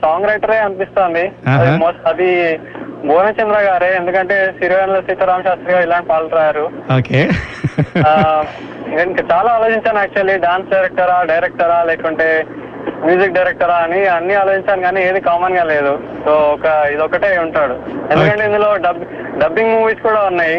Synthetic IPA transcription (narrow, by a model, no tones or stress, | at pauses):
saːŋɡɾɐjʈɐɾeːɐnpist̪oːnd̪iɐd̪moːsʈɐd̪i | ɡoːnɐt͡ʃɐnd̪ɾaːɡaːɾeend̪ukɐɳʈe̞ːsiɾnɐlosiːt̪ɐɾaːmɐʃaːst̪ɾɐɡaːilaːɳʈpaːlʈɾaːjaːɾuoːke | iŋkɐiŋkɐt͡ʃaːlaːloːt͡ʃiɲt͡ʃaːnaːk̚t͡ʃuɐlːiɖaːnsɖɐjɾɛk̚ʈɐɾaːɖɐjɾek̚ʈɐɾaːleːkɐɳʈe̞ː | mjuːzik̚ɖɐjɾek̚ʈɐɾaːɐniɐnːiaːlot͡ʃiɲt͡ʃaːniɡaːniːeːd̪ikaːmɐnɡaːle̞ːd̪u | soːɔkɐid̪ɔkːɐʈe̞ːuɳʈaːɽuend̪ukɐɳʈeind̪ulo̞ːɖɐb | ɖɐbːiŋɡmuːʋiːskuːɽaːunːaːji